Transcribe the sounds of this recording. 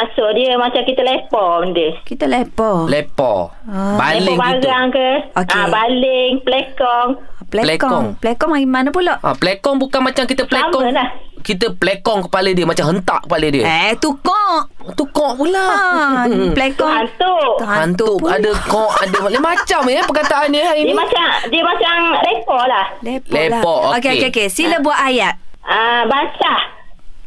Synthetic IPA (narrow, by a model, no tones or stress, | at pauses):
asoʔdiəmat͡ʃamkit̪əlepɔmndəkit̪əlepɔlepɔ̰ | ba̰lɪŋakiɡ̪aŋkəokeabalɪŋpəlɛkɔŋplɛlɛkɔɔŋplɛkɔmaɡimanəpulɔʔʔa̰plekɔŋbukanmat͡ʃamkit̪əpəlemkɔəlahkit̪̬əplekɔŋkəpalədiəmat͡ʃamɦənt̪a̰ʔkəpalədiət̪ukɔʔt̪ukɔʔpulaapəlekɔant̪ut̪hahant̪uuʔadəkɔʔadələmat͡ʃampəkat̪aʔanɲəaiiəmat͡ʃamdiəmat͡ʃamɾepɔʔlahleprɔelapɔʔookeokeokesiləbuaʔ̪ajat̪̚abasa